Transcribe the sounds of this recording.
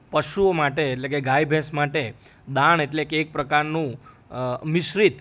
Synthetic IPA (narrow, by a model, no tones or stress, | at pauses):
pəʃuomaʈeːʈlekeɡajbʱẽsmaʈe | d̪aɳ̃eʈlekeːk̚pɾəkaɾnũ | miʃɾit̪